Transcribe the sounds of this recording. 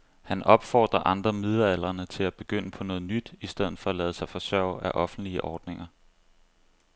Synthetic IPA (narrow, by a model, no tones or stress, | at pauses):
hænɒ̽b̥fɒ̰ːd̥ʁɐʔɑ̈nd̥ʁɐmið̞ˠɐæl̰ɐnət͡sʰe̝læb̥e̝ɡ̥øn̰əpʰɒ̽nɔ̽ːð̞̩ˠnyd̥isd̥eð̞̰ˠð̩ˠfɒ̽ælɛːðˠsɑ̈ɪfɒ̽sɶɐ̰ʊ̰æʔɒ̽fn̩d̥liəʔɒːd̥ne̝ŋɐ